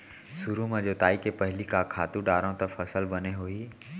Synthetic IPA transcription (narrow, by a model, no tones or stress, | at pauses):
sʊɾumãd͡ʑoːt̪aːikepɐɦɪlikakʰaːt̪ũɖaːɾə̃t̪ɐfɐsəlbɐneɦoːiː